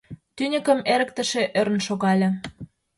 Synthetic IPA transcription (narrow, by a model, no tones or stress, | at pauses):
t̪ynʲə̆kə̆meɾə̆k̚t̪ə̆ʃĕʔøɾə̆nʃoɣɑlʲĕ